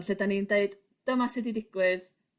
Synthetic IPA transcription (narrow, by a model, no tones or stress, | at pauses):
ɬɛdanindeɨd̥ | d̥əmasɪdidɪɡ̥wɪð